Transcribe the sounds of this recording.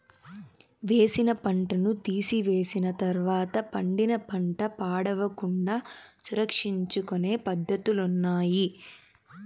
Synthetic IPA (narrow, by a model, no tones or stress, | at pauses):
ʋe̞ːsinɐpɐɳʈɐnut̪iːsiʋe̞ːsinɐt̪ɐɾʋaːt̪ɐpɐɳɖinɐpɐɳʈɐpaːɽɐʋɐkuɳɖaːsuɾɐkʂiɲt͡ʃukone̞ːpɐd̪ʱːɐt̪ulunːaːji